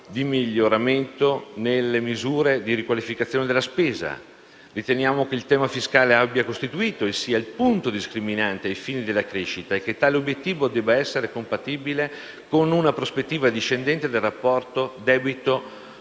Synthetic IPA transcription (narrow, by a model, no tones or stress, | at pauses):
d̪imiʎːoɾament̪onelːemizuːɾed̪iɾikwalifikat̪sjoned̪elːaspeːza̰ | rit̪enjaːmokeilt̪ɛːmafiskaːleabːjakost̪it̪uiːt̪oesːiːailpunt̪od̪iskɾiminant̪eajfiːnid̪elːakɾeːʃit̪aekːet̪ːaːleobjet̪ːiːvod̪ɛːbːaɛsːeɾekompat̪iːbile | konunapɾospet̪ːiːvad̪iʃːend̪ɛnt̪ed̪elrapːɔrt̪od̪ɛːbit̪o